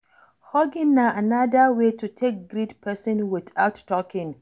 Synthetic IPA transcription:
hɔɡɪ̃nːaanadəwetutʰek̚ɡɾitpʰɛsɔ̃nwɪθaʊtːɔkɪ̃ŋ

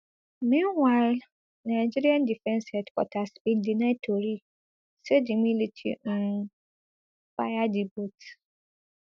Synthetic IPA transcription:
mĩnwaɪl | naɪd͡ʒiɾiãndifɛ̃nsɛdkʰɔ̰tʰasbɪ̃ndinãtʰoɾi | sɛdɪmĩlitʰḭ̃ | fajadibot

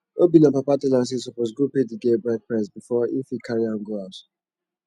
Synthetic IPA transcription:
obinãpapatilãns̬isɔpɔsɡupediɡebɹɛk̚pɹɛ̃sbifɔĩfikʰaɹiãnɡoaʊt

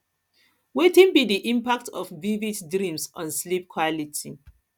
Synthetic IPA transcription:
wetĩnbidiʔĩmpak̚tʰɔfvivitdɹĩmsɔ̃nslip̚kʰwɔlitʰḭ

